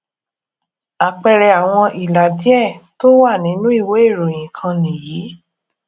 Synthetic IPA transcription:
a˨k͡pɛ˨ɾɛ˨a˨w̃ɔ̃˧ʔi˨la˨di˨˦ɛ˦˨to˦wa˦˨nĩ˨˦nũ˦i˦˨we˨˦e˦˨ɾo˨j̃ĩ˨kʰã˧nĩ˨jiː˨˦

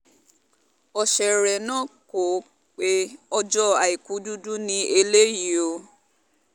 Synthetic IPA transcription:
ɔ˧ʃɛ˨ɾɛ˨nãː˦ko˨ | k͡pe˦ɔ˧d͡ʒɔ˦a˨i˨ku˨˦du˦du˦nĩ˧e˧le˦ji˨o˨

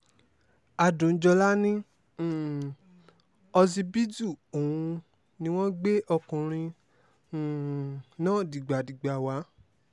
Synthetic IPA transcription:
a˨dũ˨n̩˦d͡ʒɔ˧la˦nĩ˦˨ | ɔ˧zi˧bi˦d͡ʒu˦˨o˨wũ˧ | nĩ˧w̃ɔ̃˦ɡ͡be˦ʔɔ˧kũ˨ɾ̃ĩ˧˨ | nãː˦˨di˨ɡ͡ba˨di˨ɡ͡ba˨wa˨˦

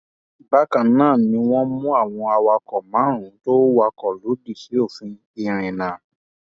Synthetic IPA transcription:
i˨ba˦kã˨nãː˦˨nĩ˧w̃ɔ̃˦mũ˦a˦˨w̃ɔ̃˧a˧wa˧kɔ˨mãː˨˦ɾ̃ũ˨˦to˦wa˧kɔ˨lu˨˦di˦˨ʃi˨˦o˦˨fĩ˧ | i˧ɾ̃ĩ˨nã˨˦

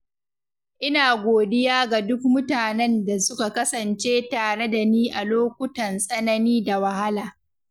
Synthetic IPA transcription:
ʔɪ˦naː˨ɡʷoː˨dɪ˦jaː˦ɡa˨dʊ˦k̚mʊ˦taː˨nɛ˦nda˨sʊ˦ka˨kɐ˦sɐ˨nt͡ʃeː˦taː˨ɽe˦da˨niː˦ʔa˨loː˦kʷʊ˦tɐ˨nsʼɐ˦nɐ˦niː˦da˨wɐ˨ha˦laː˨

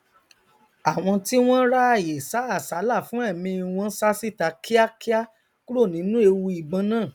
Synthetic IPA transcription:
a˨w̃ɔ̃˧ti˦w̃ɔ̃˦ɾa˦a˦˨je˨sa˨˦a˦˨sa˨˦la˦˨fũ˨˦ɛ˦˨mĩ˧w̃ɔ̃˦˧˦sa˦si˦˨ta˨˧ki˦a˦ki˦a˦ | ku˦ɾo˦˨nĩ˨˦nũ˦e˧wu˧i˨ɡ͡bã˧˦nãː˦˨

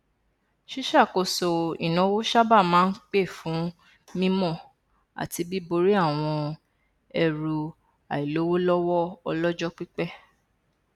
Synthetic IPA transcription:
ʃi˦ʃa˦˨ko˧so˨ḭ˨nɔ̃˨˧˦wo˦ʃa˦ba˦˨mãː˦n̩˦k͡pe˦˨fũ˨˦ | mĩ˦mɔ̃˦˨ | a̰˨ti˧bi˦bo˧ɾi˦a˦˨w̃ɔ̃˧ | ɛ˧ɾu˨ | a˨i˨lo˨˦wo˦lɔ˦wɔ˦ɔ˧lɔ˦d͡ʒɔ˦k͡pi˦k͡pɛ˦˨

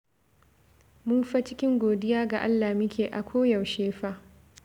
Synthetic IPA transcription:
mʊ˦mɸa˦t͡ʃɪ˦kʲɪ˦ŋɡʷoː˨dɪ˦jaː˦ɡa˨ʔa̰˦lːaː˨mɪ˦kʲʰeː˨ʔa˨kʷʰoː˦jɐ˨wʃeː˦ɸaː˦

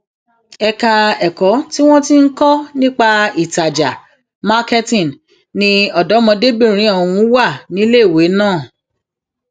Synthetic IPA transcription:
ɛ˧ka˧ɛ˨kɔ˨˦ti˦w̃ɔ̃˦ti˦ŋ̩˦kɔ˦nĩ˦k͡pa˧i˨ta˨d͡ʒa̰˨ | ma˦ke˦tĩ˦˨n | nĩ˧ɔ˨dɔ˨˦mɔ̃˧de˦bĩ˦˨ɾ̃ĩ˨˦ɔ̃˦˨ũ˧˦wa˦˨nĩ˨˦le˦˨we˨˦nãː˦˨

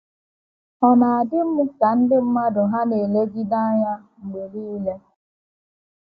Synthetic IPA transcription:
ɔ˨ma˨a˨dɪ˦m̩˦mu˦sa˨n̩˦dɪ˦m̩˦ma˦dʊ˨ɦa˦ne˨le˦ɡi˦da˦ɲa˦ | ŋ͡m̩˨ɡ͡be˨ɾi˦le˦

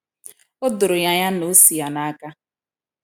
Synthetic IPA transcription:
ʊ˦dʊ˨ɾʊ˨ja˦ja˦no˨˦si˨ja˨na˦ka˦

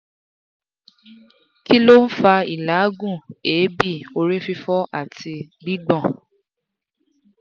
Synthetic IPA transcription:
ki˦lo˦n̩˦fa˧i˨la˨˦ɡũ˦˨e˨˦bi˦˨o˧ɾe˦fi˧fɔ˦ʔa̰˦˨ti˧ɡ͡bi˦ɡ͡bɔ̃˦˨

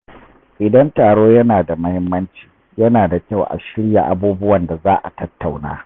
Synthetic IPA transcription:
ʔɪ˨dɐ˦ntaː˨ɽoː˦jɐ˦naː˨da˨mɐ˦hɪ˦mːɐ˦nt͡ʃi̥ː˨ | jɐ˦naː˨da˨kʲa˦˨wʔa̰˨ʃɪ˦ɽja̰˨ʔa˨buː˦bʊ˦wɐ˨nda˨zaː˦ʔa̰˨tɐ˦tːa˨wna̰ː˦

